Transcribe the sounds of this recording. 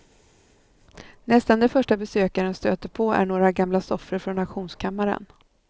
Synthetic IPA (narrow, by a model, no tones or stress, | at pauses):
nɛst̪and̪ɛfœʂʈabɛsøːkaɾənst̪øːt̪əɾpʰɔæ̰ɳoːɾaɡamlasɔfɾəɾfɾɔnaɧuːnskʰamːaɾə̰n